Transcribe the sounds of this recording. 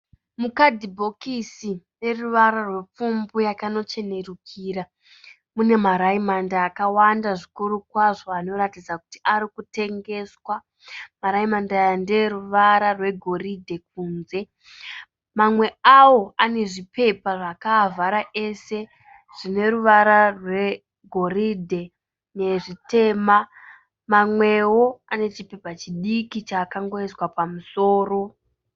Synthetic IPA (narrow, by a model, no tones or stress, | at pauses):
mukadʱibʱo̞kisine̞ruʋaɾarwe̞p͡fumbujakano̞t͡ʃe̞ne̞rukʰiːɾa | mune̞maɾaimandaːkawandaʐikuɾukwaʐo̞ano̞ɾatid͡zaku̥ti̥ʔaɾikute̞ŋɡe̞swa | maɾaimandajandeɾuʋaɾarwe̞ɡʱo̞ɾidʱe̞k̚uːnze̞ | mamwe̞awo̞ane̞ʐipe̞paʐakavʱaɾaʔe̞se̞ | ʐ̥ine̞ɾuʋaɾarwe̞ | ɡʱo̞ɾidʱe̞ | ne̞ʐite̞ma | mamwe̞wo̞ane̞t͡ʃipe̞pat͡ʃiɗikit͡ʃaːkaŋɡo̞eswapamuso̞ːro̞